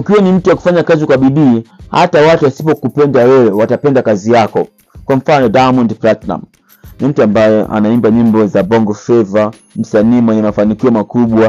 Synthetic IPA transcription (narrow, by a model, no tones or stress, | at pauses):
ukiwanim̩tuwaku̥faɲakazikwaɓiɗiːha̰tawatuasipɔkupɛndawɛwɛwatapɛndakazijakɔ | kwam̩fanɔdajmɔndplatna̰m | nim̩tuambajɛʔa̰naimbaɲimbɔzabɔŋɡɔfɛva | m̩saniːmwɛɲɛmafanikiɔmakuɓwa